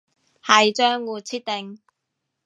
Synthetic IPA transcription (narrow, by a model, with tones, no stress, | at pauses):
hɐ˨jt͡ʃœː˥ŋwuː˨˧t̚t͡sʰiː˥t̚t̪e˨˩ŋ